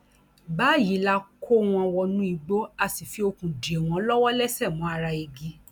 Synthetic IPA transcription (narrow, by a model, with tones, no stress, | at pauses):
baː˨˦˨ji˨˦la˧kʰo˦w̃ɔ̃˧wɔ˧nũ˦i˧ɡ͡bo˦a˦˨si˨fi˨˧˦o˧kũ˨di˨e˨w̃ɔ̃˧˦lɔ˦wɔ˦lɛ˦sɛ˦˨mũ˨˦a˧ɾa˧i˧ɡi˧˦